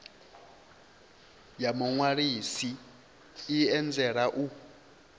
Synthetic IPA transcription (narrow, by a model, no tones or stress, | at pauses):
jamuŋwaɺisiː | ɛnd͡zɛɺaʔu